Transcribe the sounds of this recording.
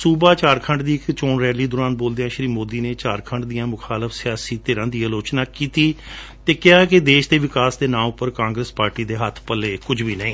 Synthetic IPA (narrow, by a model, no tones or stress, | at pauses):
suːbaːt͡ʃaːɾkʰə̃ɳɖd̪iːɪkt͡ʃoːnɾɛːliːd̪ʊːɾaːnboːld̪eːãːʃəɾiːmoːd̪iːneːt͡ʃaːɾkʰəɳɖd̪ijãːmʊkʰaːləfsɪjaːsiːt̪eːɾə̃ːd̪iːəloːt͡ʃnaːkiːt̪iːt̪eːkɪaːkɪd̪eːʃd̪eːʋɪkaːsd̪eːnãːʊpəɾkãːŋɡɾəspaːɾʈiːd̪eːɦət̪ʰpəleːkʊd͡ʒʋiːnəĩː